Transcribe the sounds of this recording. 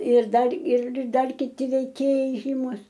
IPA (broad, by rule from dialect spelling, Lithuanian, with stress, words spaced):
ɪr ˈdɐr ɪr ˈdɐr kʲɪˈtʲɪ ʋʲɛɪˈkʲeːjɛɪ ˈʒʲiːmʊs